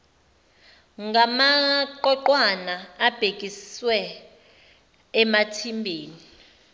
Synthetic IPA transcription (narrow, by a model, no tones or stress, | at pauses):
ŋɡʱamaǃɔǃwanaːb̥ʱekʼiswɛ | matʰimbʱeːni